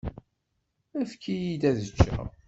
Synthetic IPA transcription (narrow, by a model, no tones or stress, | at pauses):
æfkːijid̪æðət͡ʃːæ̰ʁ